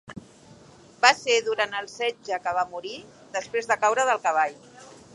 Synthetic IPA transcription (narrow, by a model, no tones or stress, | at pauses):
baseðuɾant̪əlˠsɛd͡ʒəkəβ̞amuɾi | ðəspɾezðəkawɾəðəlˠkəβ̞aʎ